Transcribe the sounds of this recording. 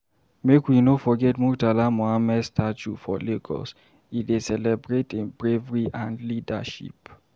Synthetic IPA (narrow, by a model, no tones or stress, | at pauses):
mekwinofɔɡɛtmutalamoamɛdstʰat͡ʃufɔ̰leɡɔ̰s | idesɛlɛbɹetĩnbɹevɹiʔãndlida̰ʃḭp